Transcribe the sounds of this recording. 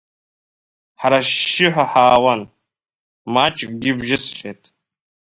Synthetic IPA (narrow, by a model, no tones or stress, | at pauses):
ħaɾaʃːɪħʷaħaːwan | mat͡ʃʼkʷʼɡʲɪbʒɪsʃetʼʰ